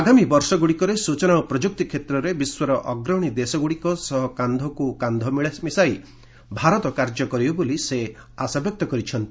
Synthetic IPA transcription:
aɡamibɔɾsɔɡuɽikɔɾesut͡ʃɔnaupɾɔd͡ʒuk̚t̪ikʰet̪ɾɔɾebiswɔɾɔʔɔɡɾɔɽ̃id̪esɔɡuɽikɔsɔɦɔkand̪ʱɔkukand̪ʱɔmiɭasmisaj | bʱaɾɔt̪ɔkaɾd͡ʒɔkɔɾibɔboliseasabjɔk̚t̪ɔkɔɾit͡ʃʰɔnt̪i

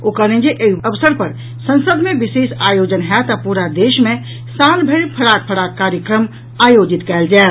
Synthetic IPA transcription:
okəɾẽd͡ʒeʔeiəʋsəɾpəɾ | sə̃nsəd̪mẽbisesajod͡ʒənɦɛt̪apuɾad̪eʃmẽ | sanbʱəɪɽpʰəɽak̚pʰəɽakːaɾjəkɾəm | ajod͡ʒit̪kɛːld͡ʒɛːl

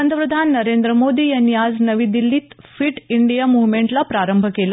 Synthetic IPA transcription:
ənd̪ʱəpɾəd̪ʱanːəɾend̪ɾəmod̪iːjənjad͡znəʋiːd̪ilːiːt̪ | fiːʈiɳɖijamuʋmeɳʈlapɾaɾəmbʱkel

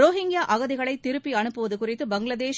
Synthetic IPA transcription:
ɾoːɦɪŋɡɪjaːʔɐɣɐðɪɣɐɭɐɪt̪ːɪɾɯpːiɐnɯpːɯʋɐðɯkʊrɪt̪ːɯbɐŋɡɭɐðeːʃ

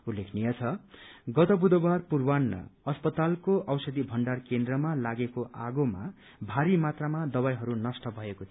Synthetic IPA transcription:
ulːekʰnijʌt͡sʰʌɡʌt̪ʌbud̪ʌbarpurwanːʌ̰ʌspʌt̪alkoʔʌwsʌd̪ibʱʌɳɖarkend̪rʌmalaɡekoʔaɡoma | bʱaɾimat̪ramad̪ʌbajɦʌɾunʌsʈʌbʱʌekot̪ʰ

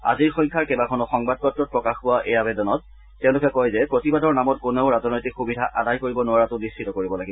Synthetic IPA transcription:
a̰ziɹxɔjŋkʰaɹkɛbakʰɔnɔxɔŋbad̚pɔtːɹɔt̚pɹɔkaxkʊwaʔɛjabɛdɔnɔtː | eʊ̃lʊkɛkɔjzɛpɹotibadɔɹnamɔt̚kʊneʊɹazɔnɔjtikxubidʱaʔadajkoɹibɔnʊaɹatʊnist͡ʃʰitɔkoɹibɔlaɡibɔ

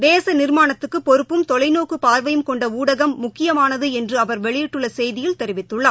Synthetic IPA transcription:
d̪eːsɐnɪɾmaːnɐt̪ːɯkːɯpːɔɾɯpːɯmt̪ɔlɐɪnoːkɯpaːɾʋɐjɯmkɔɳɖɐuːɽɐɣɐmːʊkːɪjɐmaːnɐðɯɛndrɯɐʋɐɾʋɛɭɪjɪʈːɯɭːɐsɛjðɪjɪlt̪ɛɾɪʋɪt̪ːɯɭːɐ

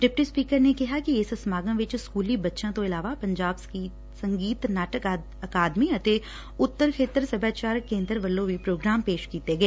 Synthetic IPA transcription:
ɖɪp̚ʈispiːkəɾnekɪɦakiessmaːɡə̃ʋɪt͡ʃskuːlibɐtːʃãt̪oɪlaːʋapɐ̃ɲd͡ʒaːbski | sɐ̃ŋɡiːt̪naːʈək | ɐkaːd̪miɐʈ̪e | ʊt̪ːəɾkʰeːt̪əɾsɐbʱaːt͡ʃaːɾkːẽːnd̪əɾʋɐlːõbipɾoːɡɾaːmpeːʃkiːt̪eɡɐeː

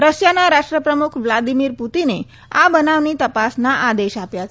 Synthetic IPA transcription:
ɾəsjanaɾaʂʈɾəpɾəmukʰʋlad̪imiɾput̪ine | abənaʋnit̪əpasnaʔad̪eʃapjat͡ʃʰ

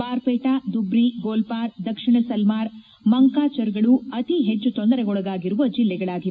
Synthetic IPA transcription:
paːɾpeːʈaːd̪ubɾiɡoːlpaːɾd̪ɐkʂiɳɐsɐlmaːɾ | mɐŋkaːt͡ʃɐɾɡɐɭuɐt̪iɦet͡ʃːut̪ond̪ɐɾɛɡɔɭɐɡaːɡiɾuʋɐd͡ʒilːɛɡɐɭaːɡi

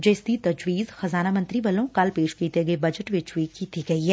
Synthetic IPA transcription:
d͡ʒeːsit̪ɐd͡ʒʋiːzxɐzaːnamɐ̃nt̪ɾiʋɐlõkɐlpeːʃkiːt̪eɡebɐd͡ʒəʈʋɪt͡ʃwikːiːt̪iɡɐiɦɛː

